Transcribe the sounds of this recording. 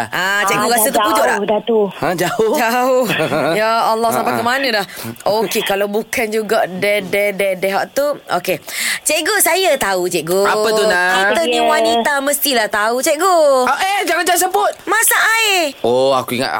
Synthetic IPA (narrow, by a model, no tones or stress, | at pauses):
ʔat͡ʃɛʔɡoɣaət̪ukud͡ʒʊʔlaʔdat̪uə̃d͡ʒaod͡ʒaohjaːlːɔhsampakəmanə̃dahokekalawbukand͡ʒuɡaʔdɛdɛdɛdɛɦa̰ʔt̪uoket͡ʃɛʔɡosajat̪aut͡ʃɛʔɡoapət̪unakat̪əɲəwanit̪aməst̪ilaht̪aut͡ʃɛʔɡoaʔɛd͡ʒaŋand͡ʒas̬əbʊt̪̚masaʔaeoa̰kuiŋa̰t